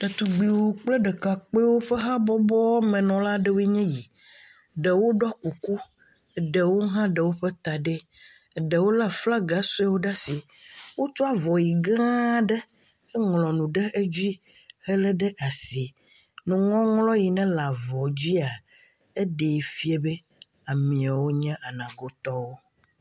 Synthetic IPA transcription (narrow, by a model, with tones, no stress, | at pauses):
ɖɛ˨t̪u˨ɡ͡bi˨wo˦k͡plɛ˦ɖɛ˨ka˨k͡pe˦wo˦ɸɛ˦ɦa˦bɔ˦bɔ˦mɛ̃˨nɔ̃˨la˦ɖɛ˦˨wo˦i˦ɲɛ̃˦ji˨ | ɖə˨wo˦ɖɔ˦a˦ku˨ku˦˨ | ɖə˨wo˦ɦã˦ɖə˨wo˦ɸɛ˦t̪a˨ɖe˦˨ | ɖə˨wo˦la˦fla˦ɡa˨sɔ˦a˦wo˦ɖa˦si˨ | wo˦t̪ɔ˦a˦vɔ˨ji˨ɡã˦ɖɛ˦ | ɛ˦ŋlɔ̃˨nũ˨ɖɛ˦ʔe˦d͡ʑi˦ | hɛ˦lɛ˦ɖɛ˦ʔa˨si˨ | nũ˨ŋɔ̃˦ŋlɔ̃˦ji˨nɛ̃˦la˨vɔ˨d͡ʑi˦a˨ | e˦ɖe˨i˨fi˦e˦be˦ | a˨mĩ˨a˨wo˦ɲɛ̃˦ʔa˨nã˨ɡo˦t̪ɔ˦wo˦